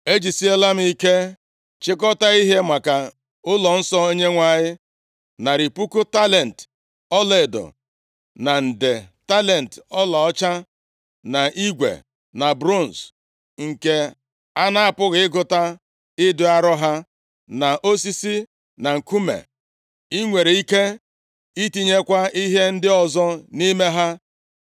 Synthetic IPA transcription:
e˦d͡ʒi˨si˦e˦la˦m̩˦i˦ke˦ | t͡ʃɪ˦kɔ˦ta˦i˦ɦe˦mʷa˨ka˨ | ʊ˦lɔ˨n̩˦sɔ˦o˦ɲe˦ŋʷa˦ɲɪ˦ | na˨ɾi˨pu˦ku˦ta˦le˨n̩˨t | ɔ˦le˨dɔ̰˨ | na˨n̩˨de˨ta˦le˨n̩˨tɔ˦la˨ɔ˦t͡ʃa˦ | na˨ʔi˦ɡʷḛ˨ | na˨bɾo˦˨n̩˨s | ŋ̩˨ke˨ | a˦na˦a˨pʊ˦ɣɪ˨˦ɡʊ˦ta˦ | ɪ˦dʊ˦a˦ɾɔ˦ɦa˦ | na˨ʔo˦s̬i˦si˦ | na˨ŋ̩˨ku˦mḛ˨ | i˦ŋʷe˨ɾe˨i˦ke˦ | i˦ti˦ɲe˦kʷa˦i˦ɦe˦n̩˦dɪ˦ɔ˨zɔ˦ni˦me˦ɦa˦

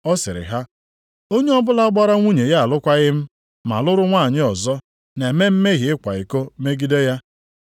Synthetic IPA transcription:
ɔ˦sɪ˨ɾɪ̰˨ɦa˦ | o˦ɲe˦ɔ˦bʊ˦la˦ɡ͡ba˦ɾa˦ŋʷu˦ɲe˨ja˦a˨lʊ˦kʷa˦ɣɪ˦m̩˦ | ma̰˨lʊ˦ɾʊ˦ŋʷa˦˨ɲɪ˦ɔ˨zɔ˦ | ne˨me˦m̩˦me˦ɣi˨ɪ˦kʷa˨i˨ko˦me˦ɡi˦de˦ja˦

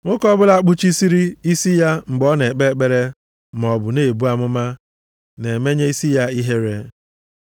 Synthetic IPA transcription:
ŋʊ˦kɔ˦bʊ˦la˦k͡pʊ˦t͡ʃi˦si˦ɾi˦i˦si˦ja˦ŋ͡m̩˨ɡ͡bɔ˦ne˨k͡pe˦k͡pe˦ɾe˦ | m˨ɔ˨bʊ˨ne˦˨bu˦a˦mʊ˦ma˦ | ne˨me˦ɲe˦i˦si˦ja˦i˦ɦe˦ɾe˦

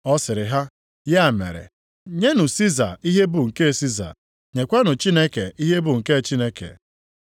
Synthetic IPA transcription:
ɔ˦sɪ˨ɾɪ˨ɦa˦ | ja˦a˨mḛ˨ɾḛ˨ | ɲe˦nʊ˨si˦za̰˨i˦ɦe˦bʊ˨ŋ̩˨ke˦˨si˦za̰˨ | ɲe˨kʷa˦nʊ˨t͡ʃi˦ne˦ke˨i˦ɦe˦bʊ˨ŋ̩˨ke˦˨t͡ʃi˦ne˦kḛ˨

